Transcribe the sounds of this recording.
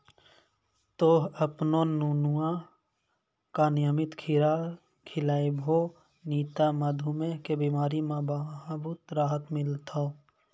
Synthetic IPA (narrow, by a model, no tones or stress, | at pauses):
t̪oːɦəpnonuːnuã | kanɪjəmɪt̪kʰɪɾa | kʰɪlaːibʱo | niːt̪aməd̪ʱumẽkebiːmaːɾimãbaɦbut̪ɾaːɦət̪mɪlt̪ʰoː